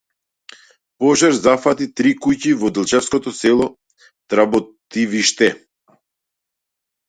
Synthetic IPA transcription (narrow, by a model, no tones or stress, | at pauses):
pɔʒaɾzafat̪it̪ɾikucivɔd̪ɛlˠt͡ʃɛfskɔt̪ɔsɛlˠɔ | t̪ɾabɔt̪iviʃt̪ɛ